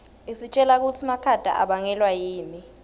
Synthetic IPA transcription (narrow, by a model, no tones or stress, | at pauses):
isit͡ʃʼɛlak̬utʰimakʰad̥ʱa̰ʔaɓaŋɛlwajiːni